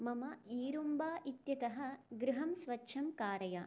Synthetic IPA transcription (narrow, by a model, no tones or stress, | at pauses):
mɐmɐiːɾumbaːʔit̪jɐt̪ɐɦɐ̆ɡɾɪɦɐmsʋɐtːʃʰɐmkaːɾɐja